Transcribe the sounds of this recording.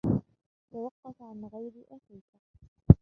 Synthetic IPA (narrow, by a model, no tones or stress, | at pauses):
t̪awɑqːɑfaʕanɣajɾɪʔaxiːka